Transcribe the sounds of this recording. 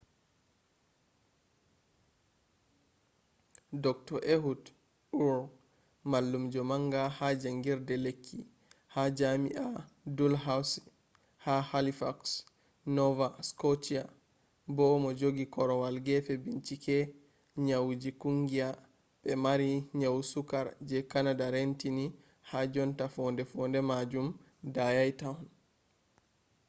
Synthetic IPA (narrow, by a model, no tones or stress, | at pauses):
dɔk̚tɔʔeɦud | uɾ | malːumd͡ʒɔmaŋɡahad͡ʒaŋɡiɾdɛlekʰːḭ | had͡ʒamḭʔa | dulɦaws | hahalifaks | nɔvaskɔtia | bɔmɔd͡ʒoɡikɔɾɔwalɡɛfɛbint͡ʃikɛ | ɲawd͡ʒikuŋɡia | ɓɛmaɾiɲawsukaɾd͡ʒɛkanadaɾentini | had͡ʒɔntafɔndɛfɔndɛmad͡ʒum | dajajtan